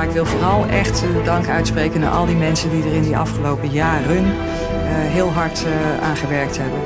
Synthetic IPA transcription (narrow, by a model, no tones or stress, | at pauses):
aɪkʋɪlˠvoːrɑlˠʔɛχt | dɑŋkœɥtsprejkəna̰ʔɑ̰lˠdimɛnsəndidərɪndiʔɑ̰fχəlowpəjaːrən | ɦɪːlˠɦɑɹtaːnχəʋɛɹk̚tɦɛbən